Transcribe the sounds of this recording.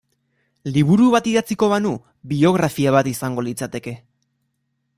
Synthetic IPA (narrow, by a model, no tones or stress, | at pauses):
liβuɾuβat̪iðat͡siko̞βanu | βio̞ɣ̞ɾafiaβ̞at̪isaŋɡo̞lit͡sat̪e̞ke̞